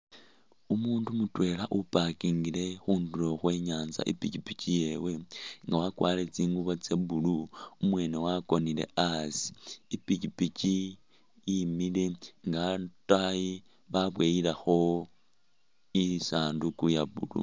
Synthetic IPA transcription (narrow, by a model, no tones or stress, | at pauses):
umuːndumutwe̞ːlaʔupakiːŋɡile̞xuːndulo̞xwe̞ɲaːnza̰ʔḭpicipicije̞we̞ŋɡawakwa̰ːle̞t͡siːŋɡuβot͡seβuluumwe̞ːnewakonile̞̰asi̥ipicipici | jimileŋɡataji | βaβweːilaxo̞ | isaːndukujaβṵlṵ